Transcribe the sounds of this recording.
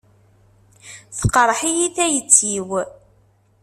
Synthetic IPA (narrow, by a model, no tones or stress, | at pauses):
θəqəɾˤħijiθæjət͡sːiw